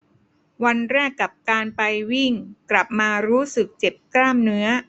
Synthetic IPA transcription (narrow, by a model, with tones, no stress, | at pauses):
wa˧nɾɛː˥˩kːa˨˩p̚kaː˧npa˧jwi˥˩ŋkla˨˩p̚maː˧ɾuː˦˥sɯ˨˩k̚t͡ɕe˨˩p̚klaː˥˩mnɯ˦˥ɐ